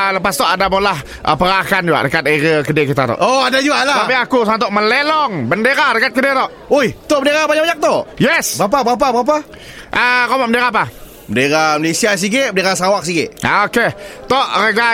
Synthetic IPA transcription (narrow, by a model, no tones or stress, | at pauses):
ləpast̪ɔʔadabolah | ʔəpəɾakand͡ʒuɡa̰ʔdəkat̪̚eɾəkədekit̪at̪ɔ̰ʔoadad͡ʒuɡaʔlat̪apiakusaŋat̪̬ɔʔməlelɔŋbəndeɾadəkat̪̚kədet̪ɔʔ | ojt̪oʔbəndeɾabaɲaʔaɲak̚t̪ojɛsbbap̬abɣap̬abɾap̬a | ʔəɾomaʔbəndeɾap̬a | bəndeɾaməlesias̬iɡɪʔ̚bəndeɾasawak̚siɡɪʔoket̪ɔʔrəɡa